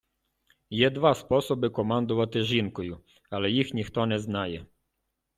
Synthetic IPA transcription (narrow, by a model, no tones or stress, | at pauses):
jɛd̪vaspɔsɔbɘkɔmand̪ɔvat̪ɛʐinkɔju | alɛjixɲikt̪ɔɲɛznajɛ